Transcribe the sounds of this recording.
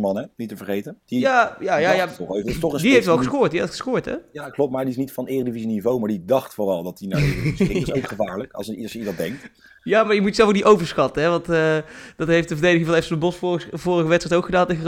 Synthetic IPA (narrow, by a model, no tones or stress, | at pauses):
mɑnɛnitəvəɹχejtəd̥ijajajajaɔetɔχədiejftʋɛlˠxəskʊːɹtdietχə̥skʊːɹtɦɛ̰jaklɔp̚maːɹdiɪs̬nitfɑnɪːrəndivizinivowmaːɹdidɑχtfʊrɑlˠdɑtinasokχəvaːɹləkɑ̰sidɑdɛŋk̚t | jaːmaɹjəmutəzɛlˠfokdiʔowvəɹsxɑtəɦɛʋɑntəd̥ɑtɦejftdəvəɹdejdəɣɪŋvɔlˠeftsɔndəbɔsfvʊːrəɣəʋɛtstɛjtowkχədaːntexə